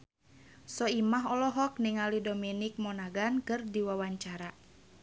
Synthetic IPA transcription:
sɔimaɦɔlɔɦɔk̚niŋalidominik̚mɔnaɡankɨrdiwawaɲt͡ʃaɾa

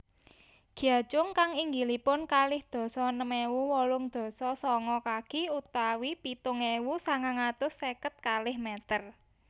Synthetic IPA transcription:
ɡ̥jḁt͡ʃʊŋkaŋiŋɡilipʊnkalɪhd̪̥ɔ̤sɔnəmewuwɔlʊŋd̪̥ɔ̤sɔsɔŋɔkaɡ̥ɪ̤ut̪awipit̪ʊŋewusaŋaŋat̪ʊsekət̪̚kalɪhmɛt̪ər

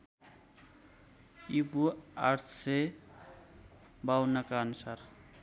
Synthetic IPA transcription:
ibuaɾt̪ʰse | bawnakaːnusaɾ

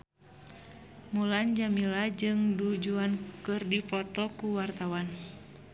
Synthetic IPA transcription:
muland͡ʒamilad͡ʒɨŋdud͡ʒuankɨrdipɔt̪ɔkuwart̪awan

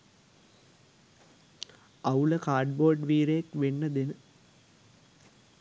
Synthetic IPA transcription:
ɐuləkaːɖboːrɖʋiːɾejekʋenːɐd̪enə

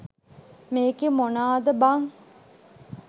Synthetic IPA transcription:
meːɡemonaːd̪əbaŋ

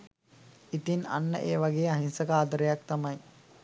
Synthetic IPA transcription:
it̪ina̰nːə̰ʔeːʋaɡeːaɦinsəkaːd̪əɾəjak̚t̪amaj

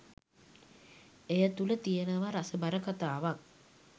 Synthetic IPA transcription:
ejət̪ulət̪ijənəʋaɾasəbaɾəkat̪aːʋaŋ

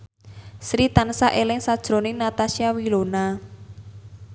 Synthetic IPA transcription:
sɾit̪ansaʔelɪŋsad̥ʒ̥ɾo̤nɪnat̪asiawilona

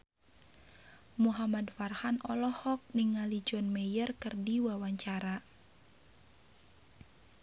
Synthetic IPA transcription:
muɦamadfarhanɔlɔhɔk̚niŋalid͡ʒɔnmejərkərdiwawaɲt͡ʃaɾa

